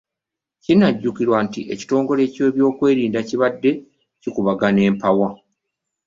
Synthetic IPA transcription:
cinaɟːukiɾwantiʔe̞̰ci̥to̞ːŋɡo̞le̞ːce̞ːβjo̞ːkwe̞ːɾiːndaciβadːe̞ | cikuβaɡane̞ːmpawa

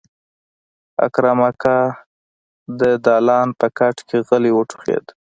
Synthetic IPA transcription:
a̰kɾamakɑ | d̪əd̪ɑlɑnpəkaʈkʰeɣəliwəʈʰu̥χḛd̪

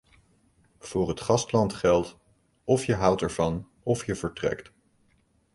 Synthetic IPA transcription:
v̥ʊːɹɦətχɑstlɑntχɛlˠt | ɔfjəɦʌwtɛɹv̥ɑn | ɔfjəvəɹtrɛ̰kt

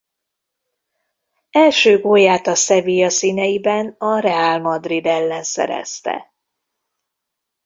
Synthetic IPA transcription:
ɛlʃøːɡoːjaːt̪ɒsɛviːjɒsiːnɛjibɛnɒɾɛaːlmɒd̪rid̪ɛlːɛnsɛ̰ɾɛ̰st̪ɛ̰

